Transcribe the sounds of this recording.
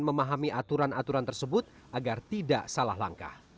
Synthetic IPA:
nməmaɦamiʔat̪uɾanat̪uɾant̪ərsəbʊt̪̚ | ʔaɡart̪idaʔsalahla̰ŋka̰h

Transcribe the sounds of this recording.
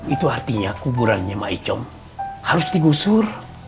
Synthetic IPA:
it̪uart̪iɲakubuɾanɲɛmait͡ʃɔm | haɾʊst̪iɡusur

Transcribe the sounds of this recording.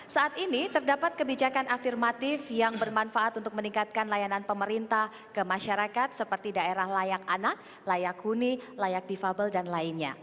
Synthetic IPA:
saːt̪init̪ərdapat̪̚kəbid͡ʒakanʔafirmat̪ɪfjaŋbərmanfaat̪unt̪ʊk̚məniŋkat̪̚kanlajananpəməɾint̪ah | kəmaʃaɾakat̪̚səpərt̪idaeɾahlajakanak̚ | lajakhunilajak̚difabəldanlaɪnɲa̰

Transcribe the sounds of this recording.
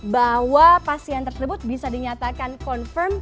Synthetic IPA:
bahwapasiant̪ərsəbʊt̪̚bisadiɲat̪akankɔnfərm

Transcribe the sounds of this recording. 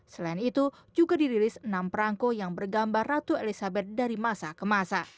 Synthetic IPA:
səlainit̪u | d͡ʒuɡadiɾilɪsənampɾaŋkojaŋbərɡambarːat̪uelisabɛt̪̚daɾimasakəmasa

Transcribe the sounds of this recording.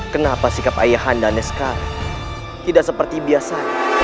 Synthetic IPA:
kənapasikap̚a̰jaɦandanɛsə̥kaɾa̰ | t̪idaʔsəpərt̪ibiasaɲa

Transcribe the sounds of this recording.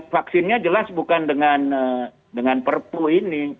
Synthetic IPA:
faksɪnɲad͡ʒəlasbukandəŋanə | dəŋanpərpuini

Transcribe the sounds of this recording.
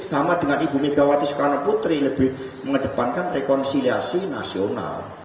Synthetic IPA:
samad̪̥ə̤ŋanib̥ṳmeɡ̥awat̪ɪskanɔput̪ɾiləb̥ɪh | məŋəɖ̪̥ə̤pankanrekɔnsiliasinasiona̰l

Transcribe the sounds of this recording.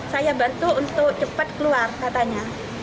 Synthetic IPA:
sajabant̪uunt̪ʊk̚t͡ʃəpat̪̚kəluarkat̪aɲa

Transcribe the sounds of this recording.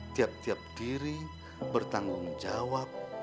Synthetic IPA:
t̪iap̚t̪iap̚d̥iɾi | bərt̪aŋɡʊŋd͡ʒawap̚

